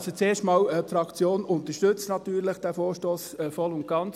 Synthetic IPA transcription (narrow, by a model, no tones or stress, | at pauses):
sot͡seːʃtmɑːwɛpfɾɑkt͡sjoːnʊnt̪əʃtʏt͡stnɑt̪yːɾləχd̥æfoːɾʃtoːsɛːfɔlʊnt̚ɡ̥ɑnt͡s